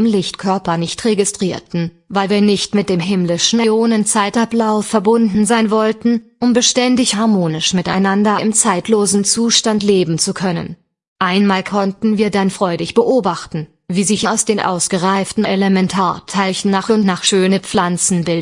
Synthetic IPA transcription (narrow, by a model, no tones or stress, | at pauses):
ɪmlɪçtkʰœɐpɐnɪçtʁeɡɪstʁ̥iːɐtn̩ | vaɪlviːɐnɪçtmɪt̚d̥eːmɦɪmlɪʃn̩oːnənt͡saɪtʔaplaʊfɛɐbʊndn̩zaɪnvɔltn̩ʔʊmbəʃtɛndɪçhaɐmoːnɪʃmɪta̰ɪnandɐʔɪmt͡saɪtʰloːzn̩t͡suːʃtantleːbm̩t͡sukʰœnə̰n | ʔaɪnmaːlkʰɔntn̩viːɐdanfʁ̥ɔʏdɪçb̥əʔoːbaχtn̩ | viːzɪçaʊsd̥eːnʔa̰ʊsɡ̥əʁaɪftn̩ʔɛləmɛntʰaːɐtʰaɪçn̩naːχʊntnaːχʃøːnəp͡flant͡sn̩bɪl